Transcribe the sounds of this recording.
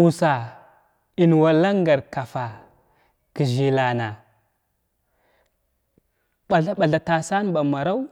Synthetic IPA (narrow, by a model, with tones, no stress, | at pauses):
u˨sa˨ | i˨n˨wa˨la˦ŋɡa˨ɾka˨fa˨ | ki˨ʒi˨la˨na˨ | ɓa˨ɮa˦ɓa˨ɮa˨ta˨sa˦n˦ba˨ma˨ɾa˦u˦